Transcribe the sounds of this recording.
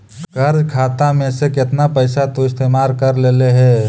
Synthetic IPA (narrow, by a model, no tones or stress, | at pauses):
ɡəɾd͡ʒkʰaːt̪amẽsekɪt̪napəɪsat̪oɪst̪eːmaːɾkəɾleːleɦɛ̃ː